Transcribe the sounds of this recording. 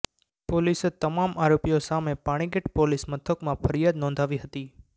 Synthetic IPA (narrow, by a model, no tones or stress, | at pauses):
poliset̪əmamaɾopijosamepaɽ̃iɡeʈpolismət̪ʰəkmãpʰəɾijad̪nɔ̃nd̪ʱaʋiɦət̪i